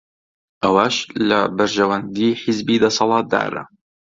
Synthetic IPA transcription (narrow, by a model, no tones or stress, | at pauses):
ʔawaːʃlabaɾʒawand̪iːħɪzbiːd̪ɑsˤɑlɑːt̪̚d̪a̰ːɾa̰